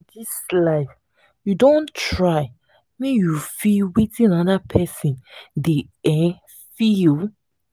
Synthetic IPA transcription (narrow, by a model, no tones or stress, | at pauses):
dislaɪf | judõntɹaɪ | mijufilwitĩnaðapʰɛsĩndeɛ̃ | fil